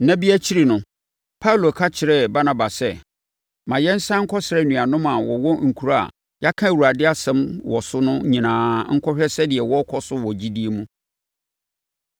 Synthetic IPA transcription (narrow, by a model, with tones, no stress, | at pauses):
nã˦bi˦æ˦t͡ɕʰi˦ɾi˨nʊ̃˨ | pʰa˦u˦lo˨kʰa˦t͡ɕʰɪ˨ɾɛ˦ba˦nã˨ba˨sɛ˦ | mã˨jɛ˦n̩˦sã˦ŋ̩˦kʰɔ˦sɪ˨ɾɛ˦˨nũ˨a˨nʊ̃˦ma˨wɔ˨wɔ̃˦ŋ̩˨kʰu˨ɾa˦a̰˨ | ja˦kʰã˦˨wu˨a˨dɪ˦a˦sɛ̃˨˦mwɔ˨sʊ˦nʊ̃˦ɲĩ˨nãː˨ŋ̩˦kʰɔ˦ɕᶣɛ˦sɛ˦dɪ˨ɛ˨wɔ˦kʰɔ˦sʊ˦wɔ˨d͡ʑi˦di˦e˦mũ˦